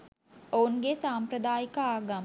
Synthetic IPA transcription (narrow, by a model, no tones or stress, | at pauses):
ounɡesaːmpɾəd̪aːjikəaːɡam